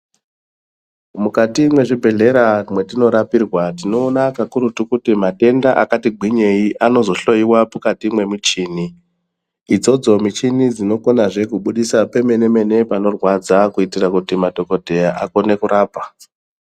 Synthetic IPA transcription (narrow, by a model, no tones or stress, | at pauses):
mukatimwe̞ʐibʱe̞ɮe̞ɾamwe̞tino̞ɾapirwatino̞ːnakakuɾutukutimate̞ndaʔakatiɡʱiɲe̞iʔano̞zo̞ɬo̞jiwapukatimwe̞mit͡ʃiːniː | d͡zo̞d͡zo̞mit͡ʃinid͡zino̞konaʐe̞kuɓuɗisape̞me̞ne̞me̞ne̞pano̞rwad͡zakuitirakutimadʱo̞ko̞dʱe̞jaʔako̞ne̞kuɾaːpa